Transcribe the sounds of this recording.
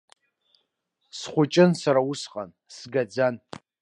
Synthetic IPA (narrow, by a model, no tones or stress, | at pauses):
sχʷʊt͡ʃʼɪnsaɾausqʼa̰n | sɡad͡zan